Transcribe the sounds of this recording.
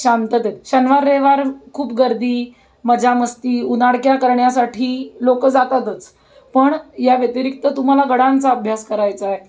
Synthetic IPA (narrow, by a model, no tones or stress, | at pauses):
ɕamt̪ət̪et̪ɕənʋaɾːeʋaɾkʰuːp̚ɡəɾd̪iː | məd͡ʑʱaməst̪iːunaɽkjakəɾɳjasaʈʰiːlokəd͡zat̪at̪ət͡s | pəɳjaʋjət̪iɾik̚t̪ət̪um̤alaɡəɽãnt͡saəbʱjaskəɾajt͡sae